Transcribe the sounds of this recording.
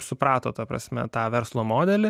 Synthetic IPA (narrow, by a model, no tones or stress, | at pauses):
sʊpɾɑːt̪o̰ːt̪ɐpɾɐ̰sʲmʲɛ̰t̪ɑːʋʲɛɾslˠoːmoːd̪ʲɛlʲɪ